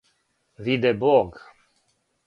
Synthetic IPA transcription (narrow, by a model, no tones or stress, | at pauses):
vid̪ebɔɡ